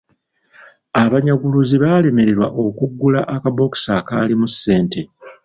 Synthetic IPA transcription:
aβaɲaɡuluziβale̞me̞ɾe̞ɾwaʔo̞kuɡːulaʔakabo̞ki̥sakaːlimusːe̞ːnte̞

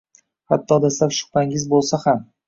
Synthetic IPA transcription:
hat̪ʰːɒd̪ast̪apʃʊ̥χpaŋɪzbolˠsaham

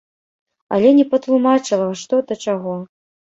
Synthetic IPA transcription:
ɐ̰lʲɛnʲɛpɐt̪lˠumat͡ʂɨlˠɐʂt̪ɔd̪ɐt͡ʂaɣɔ

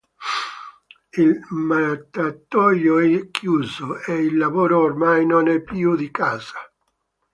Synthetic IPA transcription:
ilmaɾat̪ːat̪ːɔjoɛkːjuːzoeilːavoːɾoːrmajnonɛpːjud̪ikaːza

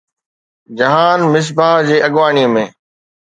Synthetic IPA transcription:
d͡ʑɐɦaːnmɪs̬baːɦd͡ʑeːʔɐɠʋaːɳiəmẽː

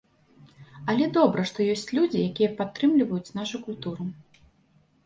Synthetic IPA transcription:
ɐlʲɛd̪ɔbɾɐʂt̪ɔjɔsʲt͡sʲlʲud͡zʲijakʲijɛpat̪ːɾɨmlʲivɐjut͡sʲn̪aʂukulʲt̪uɾu

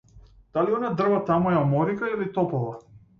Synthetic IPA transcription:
d̪̥aliɔnad̪r̩vat̪amujaɔmɔɾikailit̪ɔpɔva

